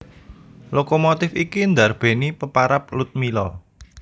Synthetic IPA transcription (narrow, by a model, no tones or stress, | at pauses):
lokomot̪ɪfikind̪arb̥e̤nipəpaɾap̚lut̪̚milɔ